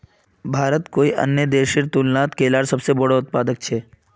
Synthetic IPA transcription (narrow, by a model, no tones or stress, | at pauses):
bʱaːɾət̪koːiʔə̰njəd̪eːʃiɾt̪ulnaːt̪keːlaːɾsɐbsebɔɽoʊt̪̚paːd̪ək̚t͡ʃʰeː